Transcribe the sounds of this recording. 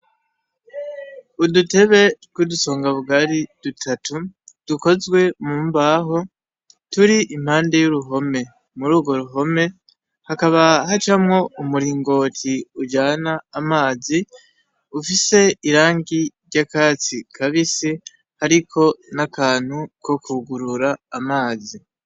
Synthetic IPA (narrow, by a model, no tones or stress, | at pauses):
udute̞βe̞ɡwuduso̞ːŋɡaβuɡaɾid̥utʰatʰud̥uko̞zɡwe̞muːmbaɦo̞ | tuɾiʔim̥haːnde̞juɾuɦo̞me̞ | muɾuːɡo̞ɾuɦo̞me̞ | hakaβaɦat͡ʃamŋo̞umuɾiːŋɡo̞ːtʰiuɟaːnaːmaːzi | ufise̞iɾaːŋɡiɾɟakaːt͡sikʰaβisi | haɾikʰo̞nakaːn̥huko̞kuɡuɾuɾaːmaːzi